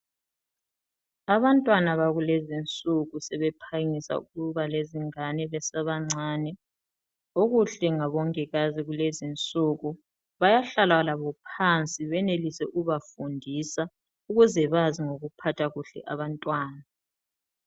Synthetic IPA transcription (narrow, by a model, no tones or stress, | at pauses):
aβantʼwanaβaɣulezint͡sʼuɣusɛβɛpʰaŋisa̰uɣuβaleziŋanɛβɛsaβaŋ͡ǀʱaːnɛ | oɣuɬɛŋaβɔŋɛɣaziɣulezint͡sʼuɣu | βajaɬalalaβɔpʰant͡sʼiβɛnelisɛʔuβafundʱisa | uɣuzɛβaziŋoɣupʰatʰaɣuɬɛ̰ʔaβantʼwaːna